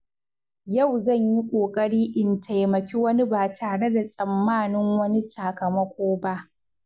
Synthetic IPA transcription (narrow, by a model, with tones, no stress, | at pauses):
ja˦˨wzɐ˦˨ɲji˦kʷʼoː˨kʼɐ˦ɽiː˦ʔɪ˨ntʰa˨jmɐ˨kʲi˦wɐ˦ni˦baː˨taː˨ɽe˦da˨sʼɐ˨mːaː˦˨nɪ˦ŋwɐ˦ni˦taː˨kɐ˨mɐ˦kʷoː˦ba˦ʔ